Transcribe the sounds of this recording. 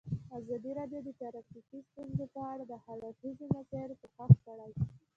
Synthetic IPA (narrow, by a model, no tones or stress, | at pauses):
azɑd̪iɾɑd̪jod̪ət̪aɾafikist̪unzepəaɽad̪əhaɾafizemazaɾpəxaxkaɽaj